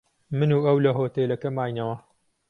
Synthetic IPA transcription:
mɨnuːɐwlɐɦoːt̪elɐkɐmaːjnɐwɐ

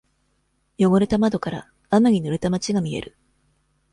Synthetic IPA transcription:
jo̞ɡo̞ɾet̪amad̪o̞kaɾa̰ː | maɲ̟inoɾet̪amat͡ɕiɡamʲie̞̰ɾɯ̟

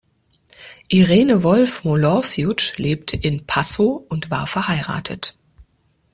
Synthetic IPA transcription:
ʔiʁeːnəvɔlfmolɔsjʊt͡ʃleːptʰəʔɪnpʰasoʔʊntv̥aːɐfɛɐhaɪʁa̰ːtʰə̰t

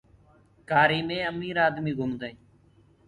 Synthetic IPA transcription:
kaːɾiːmẽːəmiːɾaːd̪miːɡʱʊmd̪əĩː

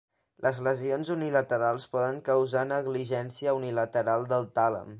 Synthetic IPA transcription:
lʔəzləzionzunilət̪əɾalˠspɔðəŋkəwzanəɣliʒɛnsiəunilət̪əɾalˠd̪əlˠt̪alə̰m

